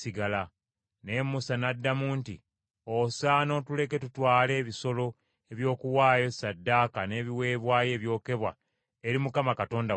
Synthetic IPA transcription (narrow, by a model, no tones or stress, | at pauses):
siɡala | ne̞musanadːamuːntḭ | osaːno̞tule̞ke̞tutwaːle̞ːβiso̞lo̞ | e̞βjo̞ːkuwaːjo̞sadːaːkane̞ːβiwe̞ːβwaːje̞ːβjo̞ːke̞βwa̰ | eɾimukamakato̞ːnda